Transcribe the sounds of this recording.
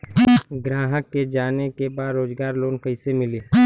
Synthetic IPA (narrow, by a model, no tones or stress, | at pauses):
ɡɾaːɦəkːed͡ʒaːnekebaːd̪ɾoːd͡ʒɡaːɾloːnkɐɪsemɪliː